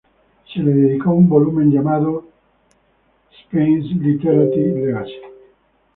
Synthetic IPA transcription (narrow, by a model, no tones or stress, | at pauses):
seled̪ed̪ikɔumbolumenɡjamaːðo | spenslit̪ɛɾat̪ivleɡas